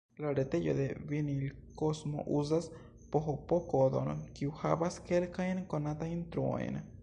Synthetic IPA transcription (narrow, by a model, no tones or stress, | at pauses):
laɾet̪ejo̰d̪eβinilkosmo̰ʔuz̬as | poɦopokod̪onokiwhaβaskelkajnkonat̪aint̪ɾua̰j̰n